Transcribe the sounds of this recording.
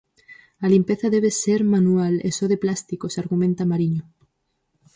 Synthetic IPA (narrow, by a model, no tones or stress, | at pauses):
alimpe̞θaðeβ̞eseɾmanualesoðeplast̪ikosaɾɣumẽnt̪amaɾiɲo